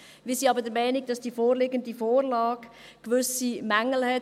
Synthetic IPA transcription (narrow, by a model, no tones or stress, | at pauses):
miːsiːɑbəɾd̥əmɛɪniɡ̚d̥ɑsd̥iːfoːɾlɪɡəndifoːɾlɑːɡ | ʋʏsimaŋl̩hɛ